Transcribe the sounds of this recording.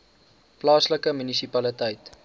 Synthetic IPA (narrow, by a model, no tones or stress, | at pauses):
plɑːsləkəmynisipɐlitəjt